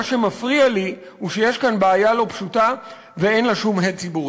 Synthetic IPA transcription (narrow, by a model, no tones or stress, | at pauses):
aʃe̞mafʁiali | huʃejeʃkanbaːjalo̞pʃuta | veenloʃumɦet̚t͡sibui